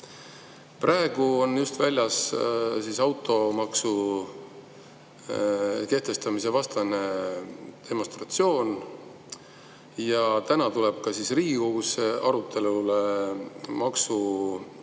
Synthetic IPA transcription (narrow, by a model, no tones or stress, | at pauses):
prʔɑeɡ̥uo̞njust̪vælʲjɑssiːsɑwt̪ːˑo̞mɑksu | ke̞ht̪e̞st̪ɑmise̞vɑst̪ɑne̞ | d̪̥e̞mo̞nst̪rɑt̪sio̞ːn | jɑt̪ænɑt̪ule̞b̥̚kɑsisriːɡiko̞ɡuseʔɑɾut̪ːˑe̞lule | mɑksu